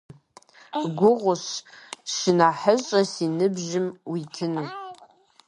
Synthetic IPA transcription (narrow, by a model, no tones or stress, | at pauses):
ɡʷʊʁʷʊɕʃɪnaːħəʑʼɐsinɨbʒɪmwitʰɨnu